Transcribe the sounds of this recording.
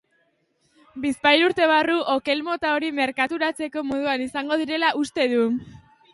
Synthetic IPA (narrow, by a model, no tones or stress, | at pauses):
bispajɾuɾt̪e̞β̞aruʔoke̞lmo̞t̪ao̞ɾime̞ɾkat̪uɾat͡se̞ko̞moð̞uanisaŋɡo̞ðiɾe̞laʔust̪e̞ðu